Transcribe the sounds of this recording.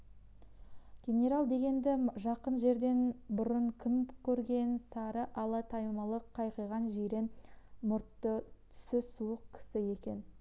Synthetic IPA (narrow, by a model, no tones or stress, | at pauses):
ɡ̥ʲe̞nʲe̞ɾalˠd̪e̞ɡʲe̞nd̪ɪʒɑqənʒe̞ɾd̪e̞nbʊɾəɴkʲʰɪmkʲʰɵɾɡʲe̞nsɑɾəʔɑlˠɑt̪ʰɑjmɑlˠəqʰːɑjqəjʁɑnʒijɾenmʊɾt̪ːət̪ʰʏ̥sɪsuəqkʲʰɪ̥sɪje̞kʲe̞n